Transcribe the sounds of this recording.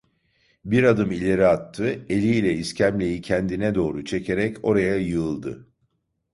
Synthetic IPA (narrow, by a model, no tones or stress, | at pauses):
biɾad̪ɯmilʲe̞ɾiat̪ʰːɯe̞lʲilʲɛiscʰæmlʲe̞jicʰænd̪inɛd̪o̞ːɾut͡ʃʰe̞cʰe̞ɾɛco̞ɾajajɯɯlˠd̪ɯ̰